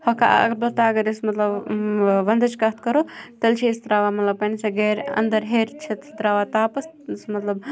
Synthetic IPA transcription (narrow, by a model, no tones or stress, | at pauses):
hɐka̰ɐ̰kbɐlt̪aɐɡɐɾɪsmɐt̪lɐb | ʋɐnd̪ɐt͡ʃkɐt̪ʰkɐɾot̪ɐlt͡ʃʰist̪ɾaːʋamɐt̪lɐbpɐnsɐɡeːɾɐ̰nd̪ɐɾɦeːɾʲt͡ʃʰet̪ʰt̪ɾaːʋaːt̪aːpɐs | smɐt̪lɐb